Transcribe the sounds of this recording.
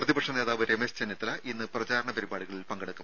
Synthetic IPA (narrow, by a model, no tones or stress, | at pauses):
prɐðibɐkʂɐne̞ːðaːʋɐɾemest͡ɕenjɐt̪ːilɐʔinːɨprɐt͡ɕaːɾɐɳɐpɐɾibaːɽuɣɐɭilpɐŋɡɐɽɐkːɐm